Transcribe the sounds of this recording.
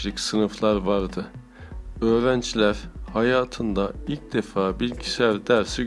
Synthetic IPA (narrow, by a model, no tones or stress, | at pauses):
ɯcsɯnɯflˠaɾvaɾd̪ɯ | øːɾænd͡ʒlʲæɾhajaːt̪ʰɯnd̪ailʲc̚d̪̥e̞faːbilʲɟisæɾd̪æɾsi